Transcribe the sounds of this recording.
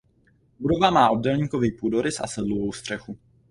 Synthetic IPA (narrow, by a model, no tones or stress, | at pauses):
budo̞vamaːʔo̞d̚dɛlɲiːko̞viːpuːdo̞ɾɪsa̰sɛdlovo̞wst̪r̥ɛxu